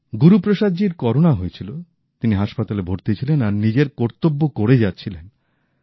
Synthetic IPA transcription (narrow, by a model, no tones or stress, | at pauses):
ɡuɾupɾoʃadd͡ʑiɾkɔɾonaɦojet͡ɕʰilo | t̪iniɦaʃpat̪alebʱoɾt̪et͡ɕʰilenaɾnid͡ʑeɾkɔɾt̪obːokoɾed͡ʑatːɕʰilen